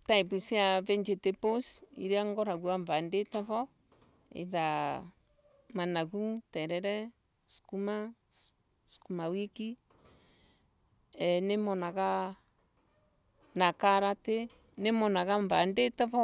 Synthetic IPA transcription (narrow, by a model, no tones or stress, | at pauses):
taipusiavɛɲd͡ʒeteposḭɾeaŋɡɔɾaɣuaɱvandetɛβɔ | ḛða | manaɣutɛɾɛɾɛ | skuma | skumawiki | ɛnemɔnaɣa | nakaɾate | nemɔnaɣaɱvandetɛβɔ